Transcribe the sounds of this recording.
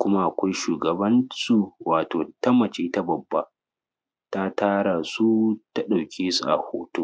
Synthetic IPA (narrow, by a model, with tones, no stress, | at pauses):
kʷʊ˦ma˦ʔa˨kʷa˦jʃuː˨ɡɐ˨bɐ˦nsu˨waː˨toː˨ta˦mɐ˨t͡ʃe˦ta˦bɐ˨bːa˦ | ta˦taː˦ɽa˨su˦ta˦ɗa˨wkʲʰeː˦su˨ʔa̰˨hoː˦toː˦